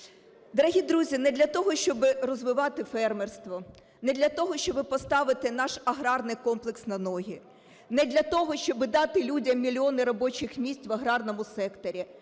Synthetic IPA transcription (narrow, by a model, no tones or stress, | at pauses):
d̪ɔɾɐɦʲid̪ɾuzʲinɛd̪ʲlʲɐt̪ɔɦɔʃt͡ʃɔbɪrɔzʋɪʋɑt̪ɪfɛrmerst̪ʋɔ | nɛd̪ʲlʲɐt̪ɔɦɔʃt͡ʃɔbɪpɔst̪ɑʋɪt̪ɪnɑʃɐɦɾɑrnɪjkɔmplˠɪksnɐnɔɦʲi | nɛd̪lʲɐt̪ɔɦɔʃt͡ʃɔbɪd̪ɑt̪ɪlʲudʲɐmːʲilʲiɔnɪɾɔbɔt͡ʃɪxmʲisʲtʲʋɐɦɾɑrnɔmʊsɛkt̪ɔɾʲi